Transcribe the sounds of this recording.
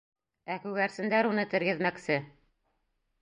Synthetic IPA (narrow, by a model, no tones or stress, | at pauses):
ækʉɣæɾsɘ̆nd̪æɾunɤt̪ɘ̆ɾɡɘ̆ðmæksɘ